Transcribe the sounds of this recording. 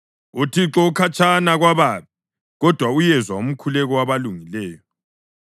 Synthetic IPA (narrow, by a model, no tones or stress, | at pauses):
otʰiǁɔukʰat͡ʃʰʼanaɣwaβaːβi | ɣɔd̥ʱwaujɛzwaum̩kʰulɛɣɔwaβaluŋilɛːjɔ